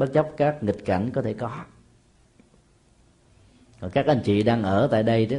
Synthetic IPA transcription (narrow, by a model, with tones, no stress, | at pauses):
ɓə˦˥t̚t͡ɕə˦˥wp̚kaː˦˥k̚ŋi˨˩t̚ka˨˩˦jŋ̟kɔ˨˦t̪ʰe˧˩kɔ˨˦ | kɔ˨˩nkaː˦˥k̚ʔa˧jŋ̟t͡ɕḭ˧˨ɗaː˧ŋʔəː˧˩t̪a̰ː˧˨jɗə˧j